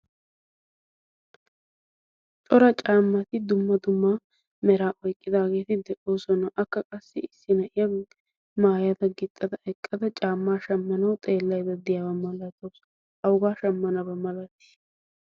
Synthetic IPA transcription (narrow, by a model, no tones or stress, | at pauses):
t͡ʃʼɔɾɐt͡ʃʼaːmːɐt̪ɪd̪ʊmːɐd̪ʊmːa | mɛɾaːʔɔjkʼːɪd̪aːɡe̞ːt̪ɪd̪ɛʔo̞ːsɔnɐʔɐkːɐkʼɐsːɪɪsːɪnɐʔɪjɐ | maːjɐd̪ɐɡɪt̪ʼːɐd̪ɐɛkʼːɐd̪ɐt͡ʃʼaːmːaːʃɐmːɐnɐwt̪ʼe̞ːlːɐjd̪ɐd̪ɪjaːbɐmɐlɐt̪os | ʔɐwʊɡaːʃɐmːɐnɐbɐmɐlɐt̪ɪ̥